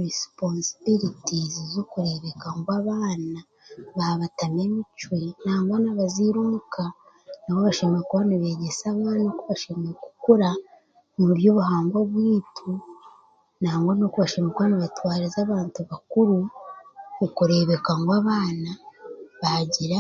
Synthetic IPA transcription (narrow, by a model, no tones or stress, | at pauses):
ɾisponsi̥biɾitizizokuɾe̞βekaŋɡwaːβaːna | βaβatame̞mit͡ʃwenaːŋɡonaβaziɾumukʰa | naβoβaʃemeekuβaniβe̞ɟe̞saβaːnokuβaʃemeeku̥kuɾa | muuɾjoːβuhaːŋɡoβwiːtʰu | naːŋɡonokuβaʃemekuβanaβatwaːɾizaβaːntuβakuɾu | ukuɾe̞βe̞kaŋɡwaːβaːnaβaɟiɾa